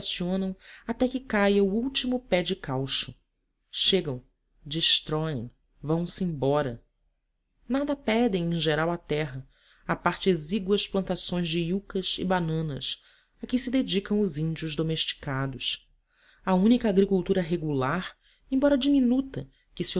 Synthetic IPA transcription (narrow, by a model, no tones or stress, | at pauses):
siõnɐ̃w̃at̪ɛkɪkajɐuuwt͡ʃimʊpɛd͡ʒɪkawʃʊ | ʃeɡɐ̃w̃ | d͡ʒiʃt̪ɾɔḛ̃j̃ | vɐ̃w̃sẽj̃bɔɾɐ | nad̪ɐpɛd̪ẽj̃ẽʒeɾawɐt̪ɛɦɐ | apaɾt͡ʃɪeziɡwɐsplɐ̃nt̪asõj̃zd͡ʒɪiukɐzɪ̰banɐ̃nɐ̰s | akɪsɪd̪ed͡ʒikɐ̃w̃ʊzĩnd͡ʒiʊzd̪omeʃt͡ʃi̥kad̪ʊs | ɐũnikɐaːɡɾikuwt̪uɾɐɦeɡulaɾ | ẽbɔɾɐd͡ʒiminut̪ɐ | kɪsɪo